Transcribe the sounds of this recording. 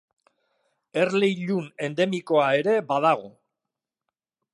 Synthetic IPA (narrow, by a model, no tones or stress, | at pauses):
e̞rle̞jʎune̞nd̪e̞miko̞ae̞ɾe̞bað̞aɣ̞o